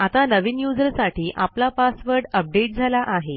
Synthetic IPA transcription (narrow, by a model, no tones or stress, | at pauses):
at̪anəʋinjud͡zəɾsaʈʰiːʔaplapasʋəɾɖəp̚ɖeʈ̚d͡zʱalaʔaɦe